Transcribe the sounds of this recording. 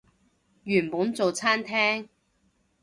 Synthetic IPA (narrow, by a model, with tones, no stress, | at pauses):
jyː˨˩npuː˨˥nt͡so˨wt͡sʰaː˥nt̪ʰɛː˥ŋ